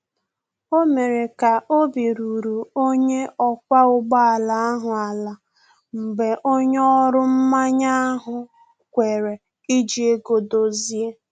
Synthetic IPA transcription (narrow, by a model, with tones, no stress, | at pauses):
o˦me˨ɾe˨ka˨ʔo˦bi˨ɾu˨ɾu˨o˦ɲe˦ɔ˦kʷa˦ʊ˦ɡ͡ba˦a˨la˨a˦ɦʊ˨a˨la˨ | m̩˨ɡ͡be˨ʔo˦ɲ˦ɔ˦ɾʊ˦m̩˦ma˦ɲa˦ɦʊ˨ | kʷe˨ɾe˨ | i˦d͡ʒi˨e˦ɡo˨do˨zi˦e˦